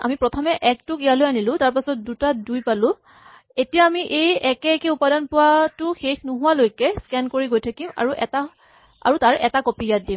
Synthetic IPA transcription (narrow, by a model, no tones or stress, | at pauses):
a̰mipɹɔtʰɔmɛʔɛk̚tʊkijalojanilʊ̃taɹp̬asɔt̚dutadujpalʊ̃ | etijaːmiʔejɛkɛkɛupadɔnpʊwatʊxexnʊɦʊwalojkɛskɛnkoɹiɡojtʰakima̰ɹuʔɛta | a̰ɹutaɹʔɛtakopijat̚dim